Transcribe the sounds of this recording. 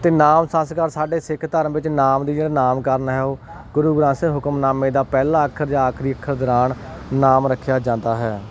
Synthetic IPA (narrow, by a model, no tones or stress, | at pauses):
t̪eːnaːmsãːskəɾsaːɖeːsɪkʰt̪əɾəʋɪt͡ʃnaːmd̪iːd͡ʒeːɽaːnaːmkəɾnɦɛːoː | ɡʊɾuːɡɾãːseɦʊkəmnaːmẽːd̪aːpɛːlaːəkʰəɾd͡ʒaːaːkʰɾiːəkʰːəɾd̪əɾaːɳ | naːmɾəkʰːjaːd͡ʒãːnd̪aːɦɛː